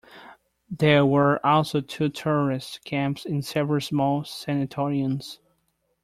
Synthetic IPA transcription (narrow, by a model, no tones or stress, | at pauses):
ðə˞wə˞ʔɔlˠsoʊtʰʉtʰɛɹə˞ɪstkʰæ̃mpsɪ̃nsɛvɹəl̩ˠsmɔlˠsɛnɨtʰɔɹiə̃nz̥